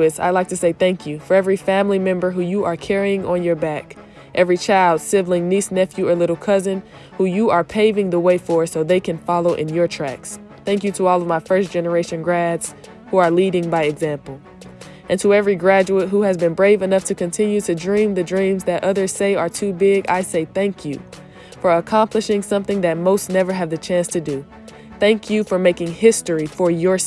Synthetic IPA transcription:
ɨsa̰ɪlaɪk̚tʰɨseɪθæ̃ŋkʰjɨfə˞ɛvɹifæ̃mlimɛ̃mbə˞ɦujɨʔə˞kʰɛɹiɪ̃ŋə̃njə˞bæk | ʔɛvɹit͡ʃʰaɪlˠd̥sɪvlɪ̃ŋnisnɛfjʉə˞lɪɾl̩ˠkʰʌzɨ̃n | hujɨə˞pʰeɪvɪ̃ŋðəweɪfə˞soʊðeɪkʰɨ̃nfɑlˠoʊʔɨ̃njə˞tʰɹ̥æ̰ks | θæ̃ŋk̬jɨɾəɔlˠʌvmaɪfɜ˞sd̥ʒ̥ɛnə˞eɪʃɨ̃nɡɹædz̥ | huə˞liɾɪ̃ŋbaɪɨɡzæ̃mpl̩ˠ | ʔɨ̃ntʰəɛvɹiɡɹæd͡ʒuət̚ɦuɨzbɨ̃nbɹeɪvɨnʌftʰɨkɨ̃ntʰɪ̃njʉɾɨdɹĩmðɨdɹĩmzðɨɾʔʌðə˞z̥seɪə˞tʰʉbɪɡa̰ɪseɪθæ̃ŋkʰjɨ | fə˞əkʰɑ̃mplɨʃɪ̃ŋsʌ̃mθɪ̃ŋðɨt̚moʊstnɛvə˞ɨvðɨt͡ʃʰæ̃nstʰɨdɨ | θæ̃ŋkʰjɨfə˞meɪkɪ̃ŋhɪstɹifə˞jə˞

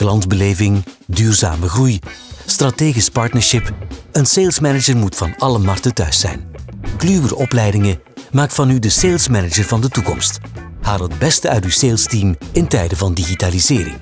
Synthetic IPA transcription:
klɑnzbəleːvɪŋdyːrza̰ːməɣrujstrateːɣispɑɹtnəɹʃɪpənseːlˠsmɛnəd͡ʒərmutfɑnɑləmɑrtətœ̰ɥsɛ̰jnklyːwəɾɔplɛjdɪŋə | maːkfɑnydəseːlˠsmɛnəd͡ʒərvɑndətukɔmst | haːlˠəd̚bɛstəœ̰ɥtyseːlˠstiːmɪntɛjdəvɑndiɣitaːlizɪːɾɪ̰ŋ

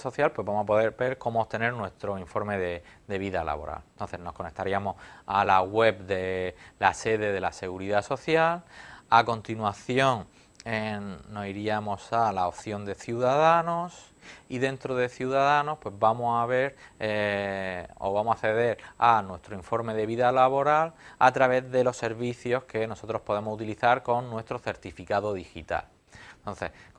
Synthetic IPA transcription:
so̞θjalpwe̞zβamohapo̞ðe̞ɾbe̞ɾko̞moopt̪ene̞ɾnwe̞st̪ɾo̞iɱfo̞ɾme̞ðed̪e̞βiðala̰βo̞̰ɾa̰lnt̪o̞nθezno̞sko̞ne̞k̚t̪aɾiamo̞salaɣwe̞bd̪e̞lase̞ðe̞ðe̞lase̞ɣ̞uɾiðaso̞θjalako̞nt̪inwaθjo̞ŋ | eno̞siɾiamo̞salaopθjo̞nd̪e̞θjuðaðano̞s | iðẽ̞nt̪ɾoðe̞θjuðaðano̞hpwe̞zβamosaβe̞ɾ | o̰βamosaθe̞ðe̞ɾanwe̞st̪ɾoiɱfo̞ɾme̞ðe̞βiðalaβo̞ɾala̰t̪ɾaβe̞zðe̞lo̞se̞ɾβiθjo̞ske̞no̞so̞t̪ɾo̞spo̞ðe̞mo̞sut̪iliθaɾko̞nːwe̞st̪ɾo̞θe̞ɾt̪ifikaðo̞ðixit̪a̰l | nt̪o̞nθe̞̰h

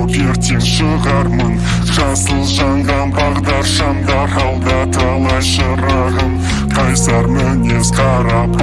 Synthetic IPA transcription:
jeɾt̪ewʃəʁɑɾmən | ʒɑsəlˠʒɑɴʁɑnbɑʁd̪ɑɾʃɑmd̪ɑɾɑwd̪ɑt̪ʰɑlˠɑʃəɾɑʁəm | qʰɑjsɑɾmənesqʰɑɾɑp

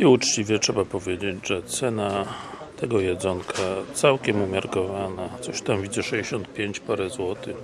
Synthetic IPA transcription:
iut͡ʂt͡ɕivʲjɛtʂɛbapɔvʲjed͡ʑed͡ʑʐɛt̪sɛna | t̪ʰɛɡɔjɛd̪zɔŋkʰat̪sawkʲɛmumʲjaɾkɔvanat̪sɔɕt̪amvʲid͡ʑɛʂɛd͡ʑɛɕɔnt̪̚pʲjeɲt͡ɕpaɾɛzwɔt̪ɘx

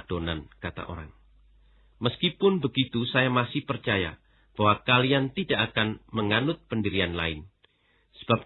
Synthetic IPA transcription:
d̥onankat̪a̰ʔo̰ɾa̰ŋ | məskipʊnbəɡit̪usajamasɪhpərt͡ʃaja | b̥awakaliant̪idaʔakanməŋanʊt̪̚pəndiɾianla̰ɪn | sə̥b̥ap̚

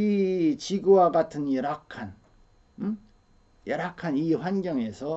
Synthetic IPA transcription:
it͡ɕiɡuwaɡatʰɯnjʌɾɦakʰan | jʌɾɦakʰaniɸwanɡjʌŋe̞sʰʌ

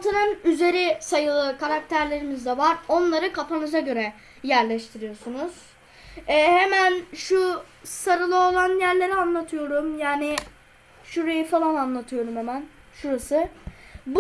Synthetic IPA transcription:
t̪ʰɯnɯnyze̞ɾisajɯlˠɯkʰaɾak̚t̪ʰæɾlʲe̞ɾimizd̪ɛvaɾo̞nlˠaɾɯkʰapʰanɯzaɟø̞ɾɛ | jæɾlʲɛʃt̪ʰiɾijo̞sunuz̥ | ɛːhemænʃu | saɾɯlˠɯo̞lˠanjæɾlʲe̞ɾianlˠat̪ʰɯjo̞ɾumjaːnɪ | ʃuɾajifalˠananlˠat̪ʰɯjo̞ɾumhemæn | ʃuɾasɯb

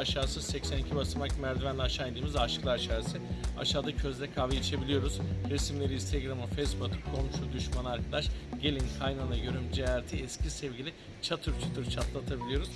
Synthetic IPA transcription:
aʃaːsɯsɛcsænicʰibasɯmakmæɾd̪ivænlʲɛaʃaːed̪iːmizʲaʃklˠaɾaʃaːsɯa̰ʃaːd̪acʰøzlʲɛkʰavet͡ʃʰe̞bilʲijo̞ɾuzɾe̞simlʲe̞ɾinst̪ʰeɡɾamɯfesbat̪ɯkʰo̞mʃud̪yʃmanɯaɾkʰad̪aʃɟ̥e̞lʲinkʰajnanˠɯjøɾymd͡ʒeaɾt̪ʰiɛscʰisɛvɟilʲi | t͡ʃʰat̪ʰuɾt͡ʃʰat̪ʰɯɾt͡ʃʰat̪ʰlˠat̪ʰabilʲijo̞ɾuz

